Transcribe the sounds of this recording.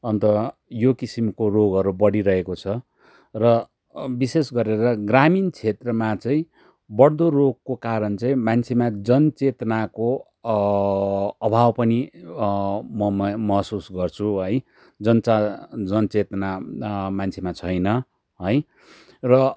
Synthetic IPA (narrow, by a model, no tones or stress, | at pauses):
ʌnt̪ʌjokisimkoroɡɦʌɾubʌɽiɾʌekot͡sʰʌ | rʌ | bisesɡʌɾeɾʌɡramint͡sʰet̪rʌmat͡sʌĩ | bʌɽd̪oroɡ̚kokaɾʌnt͡sʌĩmant͡sʰemad͡zʌnt͡set̪nako | ʌbʱawpʌni | mʌmʌɦsusɡʌrt͡sʰuʌj | d͡zʌnt͡sad͡zʌnt͡set̪namant͡sʰemat͡sʰʌjnʌ | ɦʌj | rʌ